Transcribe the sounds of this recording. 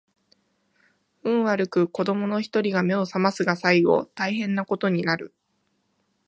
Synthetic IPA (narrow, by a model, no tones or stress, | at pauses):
ɯ̟̃ɰ̃βaɾɯ̟kɯ̟ko̞d̪o̞mo̞no̞çi̥t̪o̞ɾʲiɡame̞o̞samasɨɡasaiɡo̞̰ːt̪aiɦẽ̞nːako̞t̪o̞ɲ̟inaɾɯ̟̰